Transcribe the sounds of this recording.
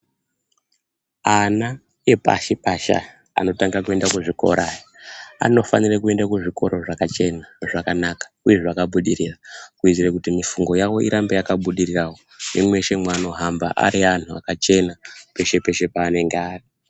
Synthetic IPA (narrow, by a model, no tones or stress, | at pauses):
ana | je̞pa̰ʃipaʃa̰ | a̰no̞taŋɡakue̞ndakuʐiko̞̰ɾʔajia̰no̞fanirekue̞ndakuʐiko̞̰ɾo̞ʐakat͡ʃe̞naʐakanakḁuje̞ʐakaɓuɗiɾirakuid͡zirekutimifuŋɡo̞jawo̞ḭɾambejakaɓuɗirirawonemwe̞ʃe̞mwano̞ɦamba̰ʔa̰ɾian̤ua̰kat͡ʃe̞nape̞ʃe̞pe̞ʃe̞paːne̞ŋɡeaːri